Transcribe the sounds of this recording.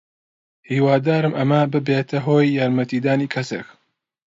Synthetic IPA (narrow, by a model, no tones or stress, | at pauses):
hiːwaːd̪aːɾɨmʔɐmɐbɨbeːt̪ʰɐɦoːjːaːɾmɐt̪iːd̪aːniːkʰɐsḛk